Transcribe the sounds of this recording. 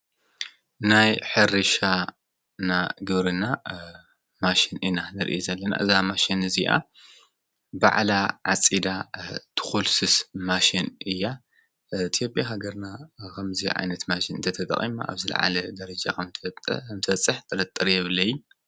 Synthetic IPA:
najħɨɾɨʃa | naɡɨβɾɨna | maʃinɨnanɨɾʔizɐlːɐna̰ʔɨzamaʃinɨziʔa̰ | ba̰ʕlaʕa̰t͡sʼid̪at̪ʰɨ̥xulsɨsmaʃinɨjːa | t̪ʰijopʼjaɦaɡɐɾnakʰɐmziʕa̰jnɐt̪maʃinɨnt̪ʰɐt̪ʰɐt̪ʼɐ̰χʼḭma̰ʔa̰βzɨl̰ʕa̰lɐd̪ɐɾɐd͡ʒakʰɐmt̪ʰmt̪ʰɐɐt͡sʼːɨħt̪ʼɨlɐt̪ʼːɨɾjɛβlɐjːu

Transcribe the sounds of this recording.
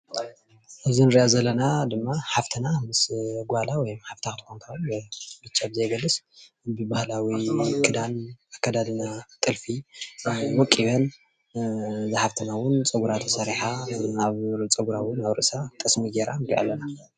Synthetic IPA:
ʔɨzinɨɾiʔazɐlːɐnad̪ɨmːaħaft̪ʰɨnamɨsɡʷalawɔjmħaft̪ʰakɨt̪ʰkʰont̪ʰɾonbbɨt͡ʃʼːabɨzɐjɡɐlːɨs | bɨbahlawikʰʼɨd̪anakːad̪ad̪ɨnat̪ʼɨlfi | wɔkʼːiβɐn | zɨħaft̪ʰɨnawʊnt͡sʼɨɡuɾat̪ʰɐsɐɾiħaaβt͡sʼɨɡuɾawʊnaβɾɨʔsat̪ʼɨsmiɡeɾand̪ḭʔa̰lːɐna

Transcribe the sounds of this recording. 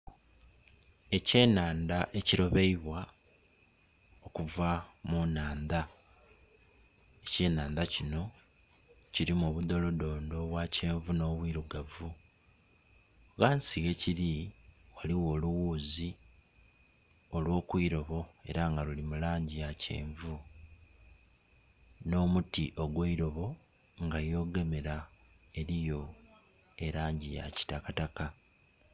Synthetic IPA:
e̞ce̞ːnaːnd̪aʔe̞ciɾo̞βe̞iβwa | o̞kuvamunaːnd̪a | ece̞ːnaːnd̪acino̞ | ciɾimuβud̪o̞lo̞do̞ːndo̞βwaːceːɱvuno̞ːβwiːɾuɡavu | ɣaːnsiɣe̞ciɾiwaliwo̞ːluwuːzi | o̞lwo̞ːkwiːɾo̞βo̞e̞̰ɾaŋɡaɾulimulaːɲɟijace̞̰ːɱvu | no̞ːmutiʔo̞ɡweiɾo̞βo̞ | ŋɡajo̞ːɡe̞me̞ɾa | e̞ɾijo̞ | e̞ɾaːɲɟija̰ci̥takataka

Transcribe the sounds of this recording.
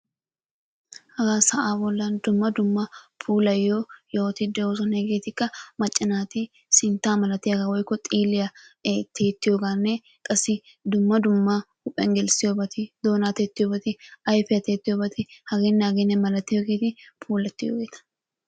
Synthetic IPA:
hɐɡaːsɐʔaːbɔlːɐnd̪ʊmːɐd̪ʊmːɐpʰuːlɐjːoːjoːt̪ɪd̪ɛwoːs̬ɔnɛɡeːt̪ɪkːɐmɐt͡ʃʼːɪnaːt̪ɪ | sɪnt̪aːmɐlɐt̪ːɪɐɡawɔjkːɔt̪ʼiːlɪjɐt̪ʰeːt̪ːɪjoɡaːnːe | kʼɐsɪ | d̪ʊmːɐd̪ʊmːahʊpʼːɛ̰ŋɡɛlsɪjobɐt̪ɪd̪oːnaːt̪eːt̪ːɪjobɐt̪ɪɐjfɪɐt̪eːt̪ːɪjobɐt̪ɪhɐɡeːnːaːɡenɛmɐlɐt̪ːɪjoɡeːt̪ɪpʰuːlɐt̪ːɪjo̰ɡeːt̪ɐ̥

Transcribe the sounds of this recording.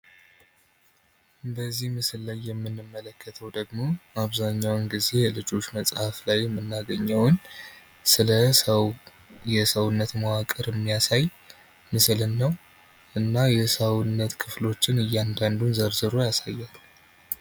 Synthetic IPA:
bəzːihmɨsllajːɛmːɨnːɨmːələkʰːət̪ʰəwd̪əɡmo̞aβzaɲːawnɡize̞jɛlɨd͡ʒo̞t͡ʃːməsʼhaflajːɛmːɨnːaɡəɲːəwn | sɨlə | jɛsəwɨnːət̪məwakʼɨɾjɛmːijasaj | mɨslɨnːəw | ʔɨnːajɛsəwnːət̪kʰɨflo̞t͡ʃːɪnɨjːand̪and̪unzəɾzɨɾo̞jasajːalu

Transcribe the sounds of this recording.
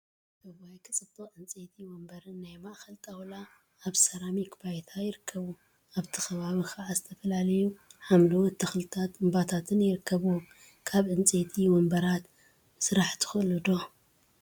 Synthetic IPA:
tʰɐβajkʰɨt͡sʼɨt̪ʼːoʕɨnt͡sʼet̪ʰiwɔmbɐɾɨnːajmaʔxɐlt̪ʼɐwlaː | βsɐɾamikbajt̪ʰajɪɾɨkʰːɐβu | aβt̪ʰɨ̥xɐβaβixaʕazɨt̪ʰɐfɐlalɐjuħamlowt̪ʰːɐxlɨt̪ʰat̪ɨmbat̪ʰat̪ʰɨnjɪɾɨkʰːɐβu | kʰaβʕɨnt͡sʼet̪ʰiwɔmbɐɾat̪ | ɨsɨɾaħt̪ʰɨ̥xɨlɨd̪o̞

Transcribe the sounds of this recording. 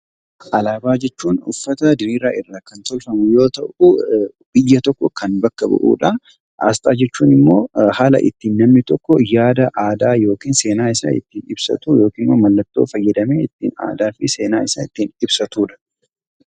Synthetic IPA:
ʔɐlaːbaːd͡ʒɛt͡ʃːuːnʊ̰fːɐt̪ɐd̪ɪɾiːɾaːʔɪrːaːkɐnt̪ɔlfɐmʊjo̞ːt̪ɐʔʊ | b̥ɪjːɐt̪ɔkːɔkʰɐnbɐkːɐbʊ̰ʔṵːᶑɐ | ʔa̰ːst̪ʼaːd͡ʒɛt͡ʃːuːnɪmːo̞ːhaːlɐ̰ʔɪ̰t̪ːiːnːɐmnɪt̪ɔkːɔjaːd̪ɐʔaːd̪aːjo̞ːkiːnse̞ːnaːɪsa̰ɪ̰t̪ːiːnɪbsɐ̰t̪ujo̞ːkiːnomɐlːɐt̪ːo̞̰ːfɐjːɛd̪ɐmeːɪt̪ːḭːna̰ːd̪aːfɪseːnaːɪsɐɪt̪ːiːnɪbsɐt̪uːᶑɐ̥

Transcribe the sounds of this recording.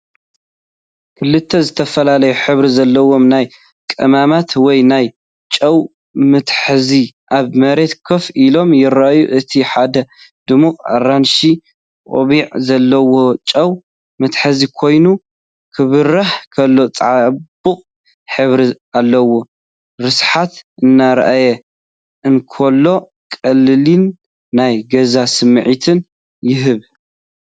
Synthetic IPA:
kʰɨlːɨt̪ʰːɐzɨt̪ʰɐfɐlalɐjuħɨβɾizɐlːɐwo̞mnaj | kʼɨmamat̪wɔjnaj | t͡ʃʼɐw | mɨt̪ħɨziʔaβmɐɾe̞t̪kʰofilo̞mjɪɾajuʔɨt̪ʰiħad̪ɐ | d̪̥ɨmuqʼa̰ranʃi | kʼo̰βiʕzɐlːɐwo̞t͡ʃʼɐw | mɐt̪ħɐzikʰo̞jnu | kʰɨβɨrːaħkʰɐlːo̞t͡sʼɐʕabɨqʼ | ħɨβɾi | alːɐwo | ɾɨsħat̪ɨnːaɾɐ̰ʔajɛ | ʔɨnkʰolːo̞ | kʼɐlːɨlinː | ajɡɐzasɨmːʕit̪ʰɨn | jɪɦɨβ

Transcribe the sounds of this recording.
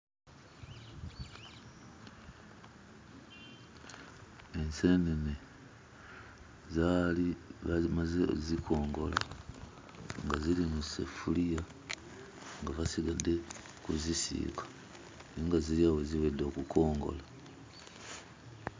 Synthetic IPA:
ensenene | zaliβazimazḛzikʰo̞ːŋɡo̞la̰ | ŋɡazilimusḛfulija | ŋɡaβasiɡade̞ | kuzisḭkḁ | niŋɡaziɾiaweziwedo̞ːkukʰo̞ːŋɡo̞̰la

